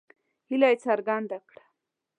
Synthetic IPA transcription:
hilajt͡saɾɡand̪akɽḁ

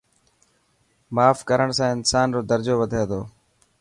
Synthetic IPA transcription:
maːfkəɾəɳsãːɪnsaːnɾoːd̪əɾd͡ʒoːʋəd̪ʱẽːd̪o̰ː

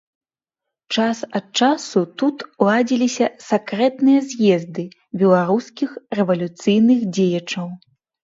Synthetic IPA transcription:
t͡ʂasɐt̪̚t͡ʂasut̪ut̪ulˠad͡zʲilʲisʲɐsɛkɾɛt̪nɨjɐzʲjɛzd̪ɨ | bʲɛlˠaɾuskʲixrɛvɐlʲut̪sɨjnɨxd͡zʲejɐt͡ʂɐw

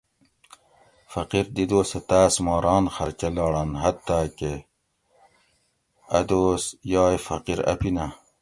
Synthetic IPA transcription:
fɐqiɾd̪id̪oːset̪aːsmɑːɾɑːnxɐɾt͡ɕɐlɑːɽɐnɦɐt̪ːaːke | ɐd̪oːsjɑːjfɐ̰qiɾɐ̰pina

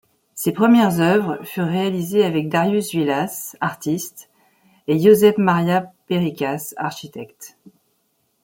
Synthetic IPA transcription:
sepχəmjɛʁzœvʁfyʁːealizeavɛk̚d̪aʁjysvilasaʁt̪ist̪ | ejozɛfmaʁjapeʁikʲasa̰ʁʃit̪ɛkt̪

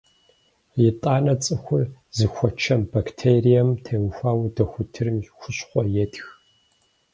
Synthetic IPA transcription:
jɪtʼaːnɐt͡sʼɨxʷʊzɨxʷɔt͡ʃʰɐmbaktʰeːrijɐmtʰewxʷaːwdɐxʷʊtʰɨrɨmxʷʊɕχʷɔjɛtx

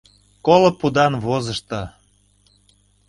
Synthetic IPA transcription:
kolopud̪ɑnβozəʃt̪ɤ

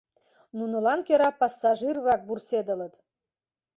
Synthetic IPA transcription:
nunə̆lɑnkʲøɾɑpɑsːɑʒirβɑk̚bursed̪ə̆lə̆t̪

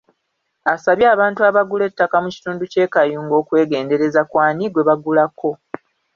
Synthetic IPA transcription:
asaβjaːβaːntuaβaɡule̞tːakamuci̥tuːnduce̞ːkajuːŋɡo̞ːkwe̞ːɡe̞ːnde̞ɾe̞zakwaːniɡwe̞βaɡulakʰːo̞

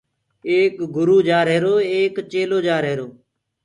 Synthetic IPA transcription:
eːkɡʊɾuːd͡ʒaːɾɦeːɾoːeːkt͡ʃeːloːd͡ʒaːɾɦeːɾoː

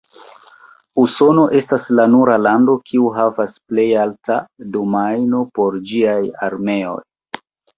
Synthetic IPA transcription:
uso̞no̞ʔe̞staslanuɾalando̞kʰiuɦavasple̞jaltadomajno̞po̞ɾd͡ʒiajaɾme̞o̞̰j

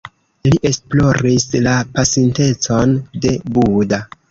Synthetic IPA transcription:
liʔe̞splo̞ɾislapasinte̞t͡so̞nde̞buda

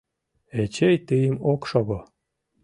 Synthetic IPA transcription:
et͡ɕejt̪ɨjəmokʃoɣo

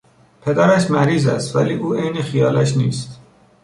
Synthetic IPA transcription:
pʰe̞d̪æɾæʃmæɾiːzæst̪væliːuːejnexijɒːlæʃniːst̪

